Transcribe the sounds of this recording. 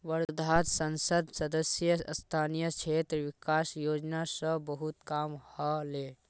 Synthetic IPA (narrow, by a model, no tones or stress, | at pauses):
ʋəɾd̪ʱat̪sənsəd̪səd̪əsjəst̪ʰanijət͡ʃʰet̪ɾʋikasjod͡ʒnasə̃bəɦut̪kamhəle